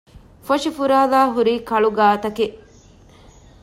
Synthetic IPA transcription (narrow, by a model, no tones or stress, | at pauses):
foʂifuɾaːlaːɦuɾiːkɐɭuɡaːt̪ɐke